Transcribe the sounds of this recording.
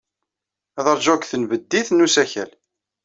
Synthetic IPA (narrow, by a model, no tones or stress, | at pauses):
æðəɾˤʒækθənvəd̪ːiθnusæçæ̰l